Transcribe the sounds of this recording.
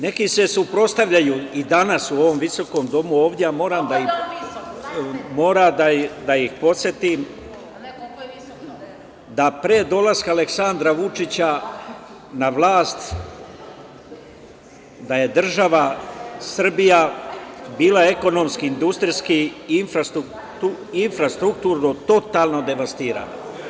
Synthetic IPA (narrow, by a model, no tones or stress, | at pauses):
ne̞kise̞supɾo̞st̪aʋʎajuːid̪anasuo̞ʋo̞mʋiso̞ko̞ːmd̪o̞muo̞ːʋd̪jejamo̞ːɾamd̪ai | mo̞ːɾad̪ad̪aixpo̞t̪sʲjet̪im | d̪apɾeːd̪o̞laskaːleksand̪ɾaʋut͡ʂit͡ɕa | naʋlˠaːst̪ | d̪aje̞d̪r̩ʒaʋasr̩bija | biːlae̞ko̞no̞mskiind̪ust̪ɾiskinfɾst̪u | uinfɾast̪ɾukt̪uːɾnut̪o̞t̪aːlˠno̞d̪e̞ʋast̪iːɾa̰ːno